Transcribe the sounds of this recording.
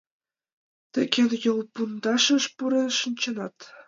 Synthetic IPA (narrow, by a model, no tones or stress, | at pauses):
t̪ɘ̆kʲʰĕnʲjɤ̆lˠpund̪ɑʂɤ̆ʂpuɾɤ̆ʂɤ̆nʲt͡ɕɤ̆nɑt̪